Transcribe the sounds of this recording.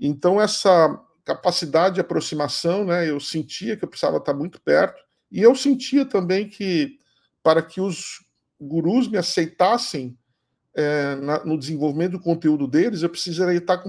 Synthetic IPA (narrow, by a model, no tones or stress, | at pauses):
ẽnt̪ɐ̃w̃ɛsɐ | kapasid̪ad͡ʒɪd͡ʒapɾosimasɐ̃w̃nɛewsẽnt͡ʃiɐkɪewpɾe̥siza̰vɐt̪aɾmũj̃t̪ʊ̥pɛɾt̪ʊ̥ | ɪewsẽnt͡ʃiɐt̪ɐ̃mbẽj̃kʰɪ | paɾɐkʰɪʊz | ɡuɾuzmɪasejt̪asẽj̃ | ɛnɐnʊd͡ʒɪzẽvowvimẽt̪ʊd̪ʊkõnt̪eud̪ʊd̪elɪzewpɾe̥sizeɾet̪akõ